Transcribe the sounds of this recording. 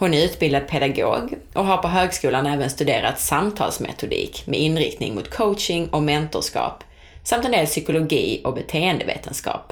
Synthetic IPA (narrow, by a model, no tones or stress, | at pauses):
hʊnæɾʉ̟ːt̪bɪld̪ad̪̚pʰɛd̪aɡo̰ːɡʔɔɦaɾpɔɦøːɡskuːlanɛːvənst̪ɵd̪eːɾa̰t̪samt̪ʰɑ̰ːlsmɛ̰t̪ʊd̪ḭːkmɛʔɪnːɾɪ̰k̚t̪nɪ̰ŋmʊt̪kʰoʊtʂɪŋɔmɛnt̪ʊʂkɑ̰ːp | samt̪ɛnd̪eːlsʏkʊlʊɡiːɔk̚bɛt̪ʰeːənd̪əvḛːt̪ʰənskɑ̰ːp